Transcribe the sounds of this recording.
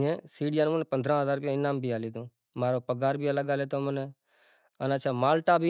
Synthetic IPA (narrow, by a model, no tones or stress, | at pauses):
ẽːsiːɽɪjaːnũːməneːpənd̪ɾãːɦəzaːɾkõɪnaːmbʱiːaːliːd̪ũː | maːɾoːpəɡaːɾbiːələɡaːleːt̪oːməneː | ənət͡ʃʰaːmaːlʈaːbʱiː